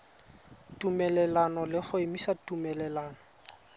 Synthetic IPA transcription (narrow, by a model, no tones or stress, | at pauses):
tʼumɛlɛlanɔlɪχʊemisatʼumɛlɛlaːnɔ